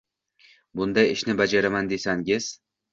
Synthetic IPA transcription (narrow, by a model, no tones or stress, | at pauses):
bʊnd̪ajɪʃnɪbad͡ʒaɾamand̪e̞saŋʲɪz̥